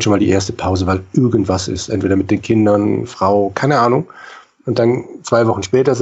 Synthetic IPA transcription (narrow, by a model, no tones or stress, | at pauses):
ʃoːnmaːldiːʔḛːɐstə̥pʰaʊzəvaɪlʔɪɐɡn̩tv̥asɪ̰stʔɛntv̥eːdɐmɪt̚d̥eːnkʰɪndɐnfʁ̥aʊkʰaɪnəʔaːnʊŋ | ʊnt̚d̥ant͡sv̥aɪvɔχn̩ʃpɛːtɐz